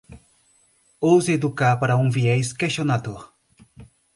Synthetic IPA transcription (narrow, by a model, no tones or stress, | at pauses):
owzed̪ukapaɾɐũŋviɛjskeʃonad̪oɾ